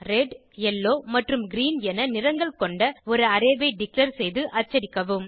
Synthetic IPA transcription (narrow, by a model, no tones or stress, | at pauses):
ɾɛɖ | ɛlːoːmɐʈrɯmɡɪɾiːnɛnɐnɪɾɐŋɡɐɭkɔɳɖɐɔɾɯɐɾɐːʋɐɪɖɪklɐɾsɛjðɯʔɐt͡ʃːɐɾɪkːɐʋɯm